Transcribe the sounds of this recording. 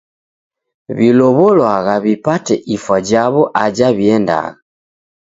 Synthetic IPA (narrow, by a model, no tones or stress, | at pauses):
βilɔβɔlwaɣaβipatɛʔifwad͡ʒaβɔʔad͡ʒaβiɛnda̰ɣa